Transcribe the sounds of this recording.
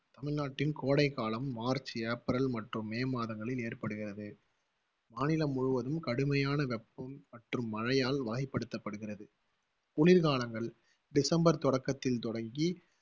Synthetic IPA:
t̪ɐmɪɭnaːʈːɪnkoːɽɐɪkːaːlɐmːaːɾt͡ʃɪjɐpɐɾɐlmɐʈrɯmːeːmaːðɐŋɡɐɭɪleːrpɐɽɯɣɪrɐðɯ | maːnɪlɐmːʊɻʊʋɐðɯmkɐɽɯmɐjaːnɐʋɛpːɐmːɐʈrɯmːɐɻɐjaːlʋɐɣɐɪpːɐɽɯt̪ːɐpːɐɽɯɣɪrɐðɯ | ʊlɪɾkaːlɐŋɡɐɭ | ɖɪsɐmbɐɾt̪ɔɽɐkːɐt̪ːɪlt̪ɔɽɐŋɡi

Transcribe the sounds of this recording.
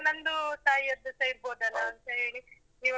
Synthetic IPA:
nɐnd̪ut̪aːjiɐd̪ɐsɐjiɾboːd̪ɐlːɐːnt̪ɐɦe̞ːɭi | niːʋ

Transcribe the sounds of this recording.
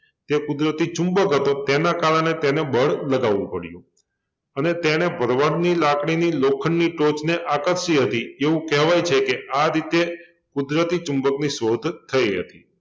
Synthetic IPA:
t̪ekʊd̪ɾət̪it͡ʃũmbəkɦət̪ot̪enakaɭəɳet̪enebəɭləɡaʋṵ̃pəɽjṵ̃ | ənet̪eñebʱəɾʋaɽnilakɽ̃inilokʰəɳːiʈot͡ʃneʔakəɾʃiɦət̪ieʋũkɛɦʋajt͡ʃʰekeʔaɾit̪e | kʊd̪ɾət̪it͡ʃũmbəkniʃod̪ʱt̪ʰəjɦə̰t̪i

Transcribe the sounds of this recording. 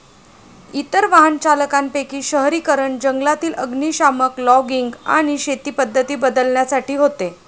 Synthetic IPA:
it̪əɾʋaɦənt͡ɕaləkampekiːɕəɦɾiːkəɾəɳd͡ʑəŋɡlat̪iːlə̰ɡniːɕaməklɔɡiŋɡa̰ɽ̃iɕet̪iːpəd̪ʱːət̪iːbəd̪əlɳjasaʈiːɦot̪e

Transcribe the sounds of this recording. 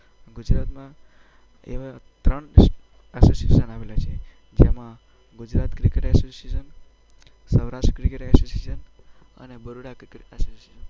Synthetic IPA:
ɡud͡ʒɾat̪mã | ḛʋat̪ɾəɳ | ɛsosiḛsənaʋelat͡ʃʰe | d͡ʒemã | ɡud͡ʒɾat̪kɾikeʈɛsosiesən | səʋɾaʂʈkɾikeʈɛsosiesən | ə̰nebəɾuɽakɾikeʈɛsosesən

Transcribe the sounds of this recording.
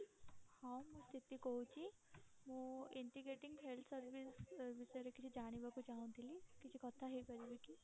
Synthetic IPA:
hãːũmũst̪ʰɪt̪ikout͡ʃi | mũɪɳʈiɡɾeːʈɪ̃ŋɡɦelt̪ʰsəɾʋisʋɪseɾekɪt͡ʃʰid͡ʒaːɽ̃ibɐkut͡ʃaːõnd̪ilikɪt͡ʃʰikɐt̪ʰaɦibɐd͡ʒibiki

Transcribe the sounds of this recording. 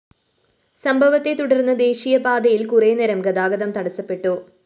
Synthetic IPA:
sɐmbʱɐʋɐt̪ːe̞t̪uɽɐrnːɐd̪e̞ːɕijɐbaːd̪ɐjilkureːneɾɐmɡɐd̪aːɡɐd̪ɐmt̪ɐɽɐsɐpːe̞ʈːu

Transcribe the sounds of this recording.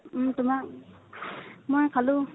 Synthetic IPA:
tʊmak̚ | mɔjkʰalu

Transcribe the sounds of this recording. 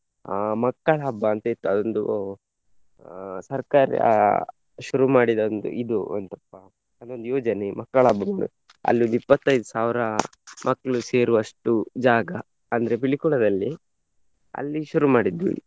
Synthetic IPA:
amɐkːɐɭɐɦɐbːɐːnt̪ɐit̪ːuɐd̪ond̪ṵ | sɐɾkaːɾɐ̰ | ʃuɾumaːɽid̪ond̪ṵʔid̪uɐ̰nt̪ɐpːɐ | ɐd̪ond̪ujoːd͡ʒɐnemɐkːɐɭɐɦɐbːɐmaɽḭ | ɐ̰lːiond̪ipːɐt̪ːɐjd̪usaːʋɾɐmʔɐkːɐɭuse̞ːɾuɐʂʈud͡ʒaːɡɐ | ɐnd̪ɐɾepiɭikuɽɐd̪ɐlːi | ɐ̰lːiʃuɾumaːɽid̪ːṵ

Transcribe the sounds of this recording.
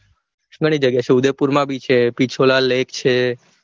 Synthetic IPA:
ɡəɽ̃id͡ʒəɡjat͡ʃʰeud̪epuɾmãbit͡ʃʰepit͡ʃʰolalekt͡ʃʰe

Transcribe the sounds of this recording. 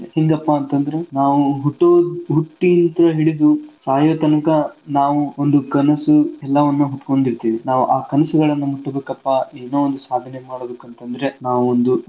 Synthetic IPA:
heŋɡɐpːaːnt̪ɐnd̪ɐɾe̞naːʋuɦuʈːoːd̪ɦuʈːint̪ɾɐɦiɽid̪usaːjɐːt̪ɐnɐkɐnaːʋuond̪ukɐnɐsuɛlːɐʋɐnːuɦut̪ko̞ɳd̪iɾt̪iːʋinaːʋuʔaːkɐnɐsuɡɐɭɐnːumuʈːɐbeːkɐpːaeːnoːond̪usaːd̪ʱɐnemaːɽod̪ekɐnt̪ɐnd̪ɐɾe̞naːʋuond̪u

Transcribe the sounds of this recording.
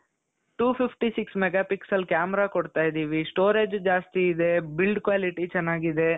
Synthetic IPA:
ʈuːpʰipʰʈisiksmɛɡapiksɐlkjaːmɛɾaːkɔɽt̪aːjid̪iːʋisʈoːɾeːd͡ʒd͡ʒaːst̪iːd̪e̞bilɖkʋaːliʈit͡ʃɛnːaːɡid̪e

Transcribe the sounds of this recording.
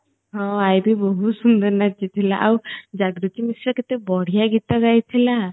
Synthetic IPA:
ɦɔ̃ajbibɔɦusund̪ɔɾnat͡ʃit̪ʰilaʔawd͡ʒaɡɾut̪imisɾɔket̪ebɔɽ̤ijaɡit̪ɔɡajt̪ʰila

